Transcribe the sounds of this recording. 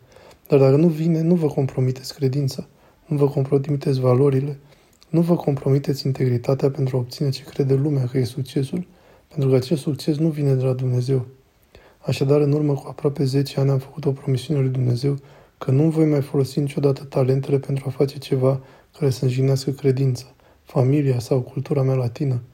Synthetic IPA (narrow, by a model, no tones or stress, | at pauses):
d̪̥ard̪akənuvine̞nuvəko̞mpɾo̞mit̪e̞t̪sʲkɾe̞d̪int̪sḁ | nuvəko̞mpɾo̞mit̪et̪sʲvalo̞ɾile̞ | nuvəkʰo̞mpɾo̞mit̪e̞t̪sʲint̪e̞ɡɾit̪at̪eape̞nt̪ɾuao̞p̚t̪sine̞t͡ʃe̞kɾe̞d̪e̞lumeakəje̞sukt͡ʃe̞sul | pe̞nt̪ɾukəat͡ʃe̞st̪sukt͡ʃe̞s̬nuvine̞d̪e̞lad̪umne̞ze̞w | aʃad̪aɾɨnurməkuapɾoape̞ze̞t͡ʃe̞anʲamfə̥kut̪o̞pɾo̞misiune̞lujd̪umne̞ze̞w | kənumvo̞jmajfo̞lo̞sinit͡ʃo̞d̪at̪ə̥t̪ale̞nt̪e̞le̞pe̞nt̪ɾuafat͡ʃe̞t͡ʃe̞va | kaɾe̞səɨnʒineaskəkɾe̞d̪int̪sə̥ | familiasawkult̪uɾamealat̪inə